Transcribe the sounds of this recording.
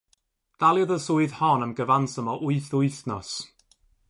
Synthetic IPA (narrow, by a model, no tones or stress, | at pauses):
d̥alˠjəðəsʊɨðhɔnəmɡəvansəmɔʔʊɨθʊɨθnɔs